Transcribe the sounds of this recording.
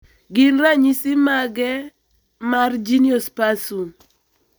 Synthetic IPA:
ɡɪnraɲisimaɡɛ | mard͡ʒiniospasun

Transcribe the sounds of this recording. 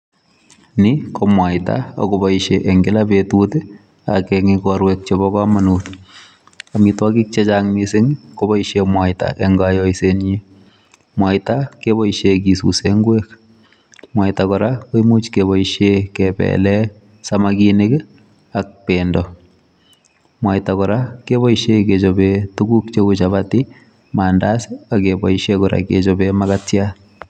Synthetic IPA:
nikɔmwajta̰ɔ̰kobɔiʃeʔɛŋɡɪlabetutɪ | a̰kɛŋikɔɾwɛk̚t͡ʃebɔkamanut | amitwakik̚t͡ʃɛt͡ʃaŋmisɪŋkɔbɔiʃemwajta̰ʔɛŋɡajɔjseɲi | mwajtakeβɔiʃek̬isṵseŋɡwek | mwajtakɔɾakoimut͡ʃkeβɔiʃjekɛpɛ̰lɛ | samakinɪk | ak̚pendɔ | mwajtakɔɾakeβɔiʃeket͡ʃobetuɡuk̚t͡ʃekut͡ʃaβati | maːndasɪakebɔiʃekɔɾa̰ket͡ʃobemakatja

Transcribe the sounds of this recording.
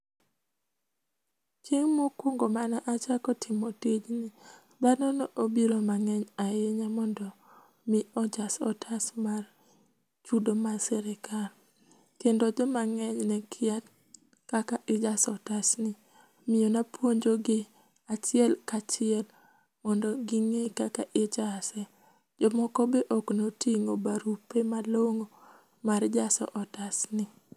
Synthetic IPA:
t͡ʃiŋmokwoŋɡomanaʔat͡ʃakɔtʰɪmotid͡ʒnɪ | d̪anɔnoʔobiɾomaŋɛɲaeɲamɔndɔ | mɪɔd͡ʒasɔ̰tʰasmar | t͡ʃudomasɛɾekʰar | kendod͡ʒɔmaŋɛɲnɛkʰɪat | kakaʔɪd͡ʒasɔtasnɪ | mɪonapʰwoɲd͡ʒoɡɪ | at͡ʃɪɛlkat͡ʃɪɛl | mɔndɔɡɪŋekakaʔɪd͡ʒasɛ | d͡ʒɔmɔkɔbeʔɔknotiŋobaɾupemaloŋo | mard͡ʒasɔ̰ʔɔtasnɪ

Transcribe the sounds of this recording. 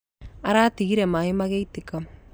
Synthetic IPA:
aɾatiɣiɾemaemaɣeitika

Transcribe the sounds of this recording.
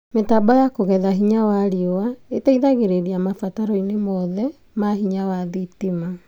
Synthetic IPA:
metabɔjakoɣɛðaɦiɲawaɾiowaetaiðaɣeɾeɾiamafataɾɔinemɔðɛ | maɦiɲawaðitima

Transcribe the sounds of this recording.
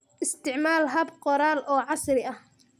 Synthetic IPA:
ʔɪst̪ʰɪʕmaːlɦɐbqɔɾaːlʔɔːʕɑsrɪɐh

